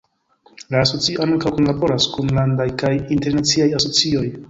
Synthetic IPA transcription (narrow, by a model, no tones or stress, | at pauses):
laːso̞t͡sioankawkonlabo̞ɾaskunlandajkajinte̞ɾnat͡siajaso̞t͡sio̞j